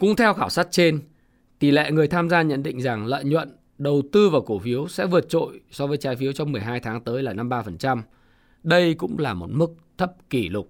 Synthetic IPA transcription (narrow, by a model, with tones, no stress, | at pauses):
kʊ̰˧˥ŋ͡mt̪ʰɛ˧wxaː˧˩wsa˦˥t̚t͡ɕe˧n | t̪i˧˩lḛ˧˨ŋɨ˨˩əjt̪ʰaː˧mzaː˧ɲə̰˧˨nɗḭ̈˧˨ŋ̟za˨˩ŋlə̰ː˧˨jɲwə̰˧˨n | ɗə˨˩wt̪ɨ˧vaː˨˩wku˧˩fi˨˦əwsɛ̰˧˥vɨ˨˩ət̚t͡ɕo̰˧˨jsɔ˨˦vəː˨˦jt͡ɕaː˨˦jfi˨˦əwt͡ɕɔ˧wŋ͡mmɨ˨˩əjɦaː˧jt̪ʰaː˨˦ŋt̪əː˨˦jlaː˨˩na˧mɓaː˧fə˨˩nt͡ɕa˧m | ɗə˧jkʊ̰˧˥ŋ͡mlaː˨˩mo˨˩t̚mɨ˦˥k̚t̪ʰə˦˥p̚ki˧˩lʊ˨˩k͡p̚